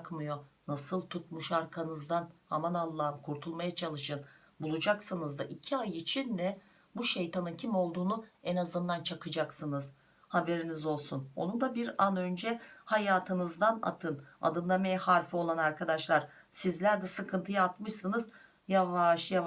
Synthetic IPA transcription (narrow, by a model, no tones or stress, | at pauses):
kmɯjo̞nasɯlˠt̪ʰut̪̚muʃaɾkʰanɯzd̪anha̰manalˠːamkʰuɾt̪ʰulˠmajat͡ʃʰalˠɯʃɯn | bulˠud͡ʒaksɯnɯzd̪aʔicʰiajit͡ʃʰind̪ɛ | buʃe̞jt̪ʰanɯncʰimo̞lˠd̪uːnuɛnazɯnd̪ant͡ʃʰakʰɯd͡ʒaksɯnɯz | habe̞ɾinizo̞lˠsuno̞̰nund̪abiɾanø̞nd͡ʒɛhajaːt̪ʰɯnɯzd̪ana̰t̪ʰɯna̰d̪ɯnlˠamajahaɾfɯo̞lˠanaɾkʰad̪aʃlˠaɾ̥ | sizlʲæɾd̪ɛsɯkʰɯnt̪ʰɯjaːt̪mɯʃsɯnɯz | javaʃja